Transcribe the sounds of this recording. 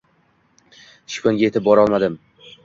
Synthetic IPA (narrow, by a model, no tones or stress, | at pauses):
ʃkʰʲonɡʲaje̞t̪ʰɪp̚bɒɾɒlˠmad̪ɪm